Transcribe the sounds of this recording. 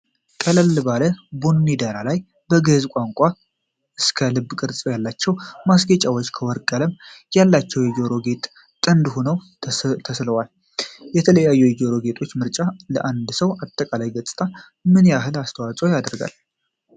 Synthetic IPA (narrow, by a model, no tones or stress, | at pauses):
kʼələlbaləbonːid̪aɾalaj | bəɡəzkʷʼaŋkʷʼa | ɨskʰəlɨbːkʼɨɾt͡sʼəjalːat͡ʃːɛwmasɡət͡ʃʼawot͡ʃːkʰəwɔɾkʼələmjalːat͡ʃːɛwjɛd͡ʒoɾo̞ɡe̞t̪ʼ | t̪ʼənd̪honəw | t̪ʰəsləwal | jɛt̪ʰələjajːujed͡ʒo̞ɾo̞ɡe̞t̪ʰʼot͡ʃːmɨɾt͡ʃʼaləʔand̪səwat̪ʼːəkʼalajɡət͡sʼɨ̥t̪ʼʰa | mɨnjaɦɨlast̪ʰəwat͡sʼojad̪ɾɡa̰l